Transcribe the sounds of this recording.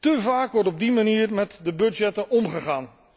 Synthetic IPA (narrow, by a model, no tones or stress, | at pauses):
təvaːkʋɔɹtɔb̚dimaniːrmɛtdəbɵd͡ʒɛtənɔmχəχaːn